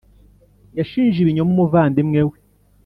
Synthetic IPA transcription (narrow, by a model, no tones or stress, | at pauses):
jaʃiːnʒiβiɲomumuvaːndemŋewe